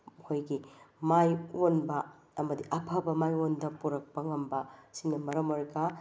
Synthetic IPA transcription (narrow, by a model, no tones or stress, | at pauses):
hojɡimajonbɐː | mɐdiʔɐpʰɐbɐmajondɐpuɾɐk̚pɐŋɐmbɐsiŋnɐmɐɾɐmoɾɡɐ